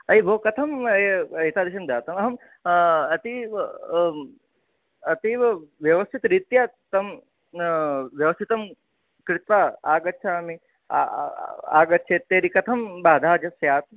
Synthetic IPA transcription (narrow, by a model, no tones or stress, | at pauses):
ɐibʱoːkɐt̪ʰɐmeɦit̪aːd̪ɪʃɐmd̪aːt̪ɐmɐɦɐm | ɐt̪i | ɐt̪iʋjɐʋɐst̪ʰit̪ɾit̪jat̪ɐm | ʋjɐʋɐst̪ʰit̪ɐm | kɾɪt̪ʋaːaːɡɐt̪̚ːt͡ʃʰamḭ | a̰ːɡɐt̪̚ːt͡ʃʰeːt̪ːeːɾikɐt̪ʰɐmbaːd̪ʱaːd͡ʒɐsjaːt̪